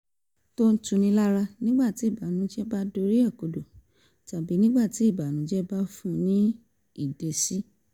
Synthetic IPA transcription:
to˦n̩˦tũ˨˧nĩ˧la˦ɾa˧nĩ˦ɡ͡ba˦˨ti˨˦i˦˨ba˨nũ˨˦d͡ʒɛ˦ba˦do˧ɾi˦ɛ˦˨ko˨do˨ | ta˨bi˨˦nĩ˦ɡ͡ba˦˨ti˨˦i˦˨ba˨nũ˨˦d͡ʒɛ˦ba˦fũ˦˨nĩ˦ | i˦˨de˨si˦

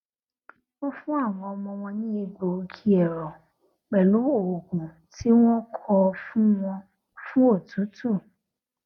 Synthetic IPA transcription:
wɔ̃˦fũ˦a˦˨w̃ɔ̃˧ɔ˧mɔ̃˧w̃ɔ̃˧nĩ˦i˧˨ɡ͡bo˨˧kʰi˨˦ɛ˨ɾɔ˨ | k͡pɛ˨lũ˨˦o˦˨o˨ɡũ˨ | tʰi˦w̃ɔ̃˦kʰɔ˧fũ˦wɔ̃˧ | fũ˦o˦˨tũ˨˦tʰu˦˨

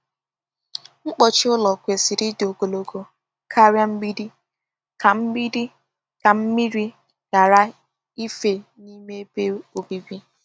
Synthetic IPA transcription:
ŋ͡m̩˦k͡pɔ˨t͡ʃɪ˦ʊ˦lɔ˨kʷe˨si˨ɾi˦do˨ɡo˨lo˨ɡo˨ | kʰa˦ɾja˦m̩˦bi˦di˦ | ka˨m̩˦i˦ɾi˦ | ka˨m̩˦mi˦ɾi˦ | ɡ̥a˨ɾa˦ | i˦fe˨ | ni˦me˦pe˦o˨bi˦bi˦

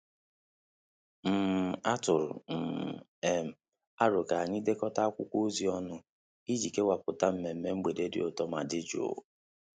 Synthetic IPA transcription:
m̩˨a˦tʊ˨ɾʊ̰˨m̩˨ | e˦m̩˨ | a˦ɾʊ˨ka˨a˨ɲi˦de˦kɔ˦ta˦a˦kʷʊ˦kʷo˦zi˨ɔ˦nʊ˦ | i˦d͡ʒi˨ke˦wa˨pʊ˨ta˦m̩˨me˨m̩˦me˦ŋ͡m̩˦ɡ͡be˨de˦dɪ̰˦ʊ˨tɔ˦ma˨dɪ˦d͡ʒo̰˨

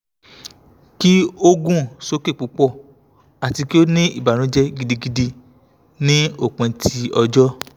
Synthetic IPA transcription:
ki˦o˦ɡũ˦˨so˨˦ke˦˨k͡pu˨˦k͡pɔ˦˨ | a˨ti˧ki˦o˦nĩ˦ḭ˦˨ba˨ɾ̃ũ˨˦d͡ʒɛ˦ɡi˧di˧ɡi˧di˧ | nĩ˦o˦˨k͡pẽ˧tʰi˧ɔ˧d͡ʒɔ˦

